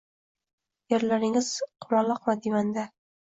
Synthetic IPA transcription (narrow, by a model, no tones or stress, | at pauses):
jeɾlaɾɪŋɪz̥qʰʊmɑlˠɑqmad̪imand̪a